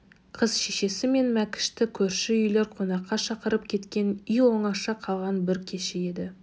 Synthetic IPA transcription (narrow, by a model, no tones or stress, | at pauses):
qʰəzʃeʃe̞sɪme̞nmækʲɪ̥ʃt̪ɪkʲʰɵɾʃɪʏjle̞ɾqʰo̞nɑqːɑʃɑqəɾəp̚kʲʰe̞t̪kʲe̞nʏjwoɴɑʃɑqʰɑlˠʁɑnbɪɾkʲʰe̞ʃɪe̞d̪ɪ